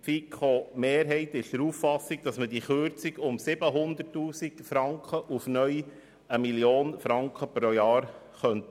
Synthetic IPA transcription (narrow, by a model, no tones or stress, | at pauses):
fikχomeːɾɦɛɪtɪʃd̥əɾuːffɑsːiɡ̥̚d̥̪ɑsməd̥iχøɾt͡siɡʊmsɪbəɦʊnd̪ətːuːsiɡ̥fɾɑŋkχəʔufnœj | əmiljoːnfɾɑŋkχəpɾojɑːɾ | χœnt̪